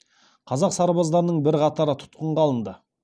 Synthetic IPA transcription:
qʰɑzɑqsɑɾbɑzd̪ɑɾənəɴbɪɾqʰɑt̪ɑɾət̪ʰʊ̥t̪qəɴʁɑlˠənd̪ə

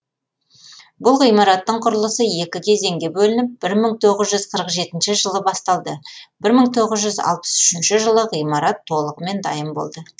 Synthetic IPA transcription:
bʊlˠʁijmɑɾɑt̪ːəɴqʰʊɾəlˠəsəje̞kʲɪkʲʰe̞ze̞ŋɡʲe̞bɵlɪnɪp̚bɪɾməŋt̪ʰo̞ʁəzʒʏzqʰəɾəqʒe̞t̪ɪnʃɪʒəlˠəbɑst̪ɑlˠd̪əbɪɾməɴt̪ʰo̞ʁəzʒʏzɑ̰lˠpə̥sʏʃɪnʃɪʒəlˠəʁijmɑɾɑt̪ʰːo̞lˠəʁəme̞nd̪ɑjəmbo̞̰lˠd̪ə

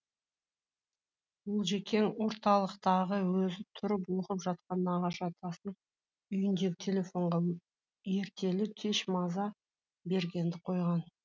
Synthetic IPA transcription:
bʊlˠʒe̞kʲʰe̞nwo̞ɾt̪ɑlˠəqt̪ɑʁəwɵzɪt̪ʰʊɾəp̬lˠʊqəpʒɑt̪̚qɑnɑʁɑʃɑt̪ʰɑsən | ʏjɪnd̪e̞ɡʲɪt̪ʰe̞lʲe̞fo̞ɴʁɑ | je̞ɾt̪ʰe̞lɪt̪ʲʰe̞ʃmɑzɑ | be̞ɾɡʲe̞nd̪ɪqʰo̞jʁɑn

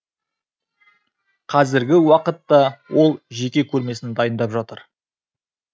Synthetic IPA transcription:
qʰɑzɪɾɡʲɪwɑqət̪ːɑwʔo̞lˠʒe̞kʲe̞kʲʰɵɾme̞sɪnd̪ɑjənd̪ɑpʒɑt̪əɾ

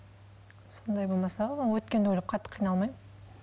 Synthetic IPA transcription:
so̞nd̪ɑjbolˠmɑsɑwɵt̪̚kʲe̞nd̪ewɵlɪp̚qʰɑt̪ːə̥qʰːijnɑlˠmɑjmə

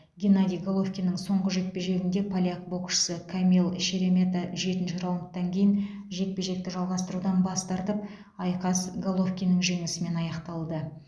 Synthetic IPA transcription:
ɡʲenad̪ʲijɡolˠo̞fkʲijnəŋso̞ɴʁəʒe̞t̪̚pe̞ʒe̞ɾɪnd̪e̞pʰalʲiak̚bo̞kʃə̥səkʰamʲilˠʃeɾe̞mʲe̞t̪aʒe̞t̪ɪnʃɪɾɑwəmqt̪ːɑŋkʲʰe̞jɪnʒe̞k̪̚pe̞ʒe̞k̚t̪ɪʒɑlˠʁɑst̪əɾud̪ɑnbɑst̪ɑɾt̪əp | ɑjqɑsɡolˠo̞fkʲijnəŋʒe̞ŋɪsɪme̞nɑjɑqt̪ɑlˠd̪ə

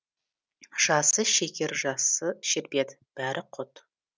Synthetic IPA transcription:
ʒ̥ɑsəʃekʲe̞ɾʒɑsəʃɪɾbe̞d̪ɪb̥æɾʔɪqʰʊt̪

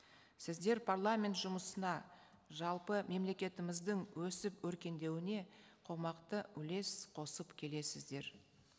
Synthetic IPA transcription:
sɪzd̪e̞ɾpʰarlˠamʲe̞nt̪ʒʊməsənɑ | ʒɑlˠpəme̞mle̞kʲe̞t̪ɪmɪzd̪ɪŋwɵsɪpwɵɾkʲe̞nd̪e̞wɪne̞qʰo̞mɑqt̪əʏle̞sqʰo̞səpkʲʰe̞le̞sɪzd̪e̞ɾ

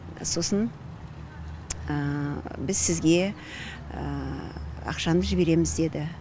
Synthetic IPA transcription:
so̞sən | əbɪzsɪzɡʲe̞ | ə̰ | ɑ̰qʃɑnəʒɪbe̞ɾe̞mɪzd̪e̞d̪ɪ

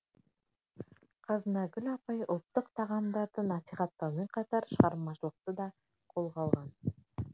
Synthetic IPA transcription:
qʰɑzənɑɡʲʏlɑpɑjʊlˠt̪ːəqt̪ʰɑʁɑmd̪ɑɾd̪ənɑsiχɑt̪ːɑɾmeɴqʰɑt̪ɑɾʃəʁɑɾmɑʃəlˠəq̚t̪əd̪ɑ | qʰo̞lˠqɑlˠʁɑn

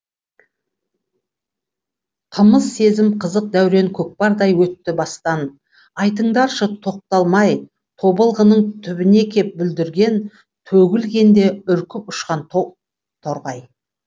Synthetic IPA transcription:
qʰəməzse̞zɪmqʰəzəq̚d̪æwɾe̞ŋkʲʰɵk̚pɑɾd̪ɑjwɵt̪ːɪbɑst̪ɑn | ɑjt̪̬əɴd̪ɑɾʃət̪ʰo̞q̚t̪ɑlˠmɑj | t̪ʰo̞bəlˠʁənəɴt̪ʰʏbɪne̞kʲʰe̞p̚bʏld̪ɪɾɡʲe̞n | t̪ʰɵɡʲɪlɡʲe̞nd̪e̞ʏɾkʲʰɪpʊʃqɑnt̪ʰo | t̪ʰoɾʁɑj

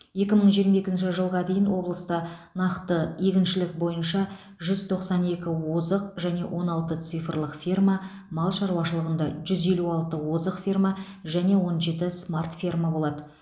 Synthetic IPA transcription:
je̞kʲɪməɴʒijəɾmaje̞kʲɪnʃɪʒəlˠʁɑd̪e̞jɪnwo̞blˠəst̪ɑnɑqt̪əekʲɪnʃɪlɪk̚bo̞jənʃɑ | ʒʏzt̪ʰo̞qsɑne̞kʲɪwo̞zəqʒæne̞wʔo̞nɑlˠt̪ət̪sijfrlˠəqfʲirma | mɑlˠʃɑɾwɑʃəlˠəʁənd̪ɑʒʏze̞luɑlˠt̪əwo̞zəqfirma | ʒæne̞wo̞nʒe̞t̪ɪsmart̪fʲirmabo̞lˠɑd̪ə

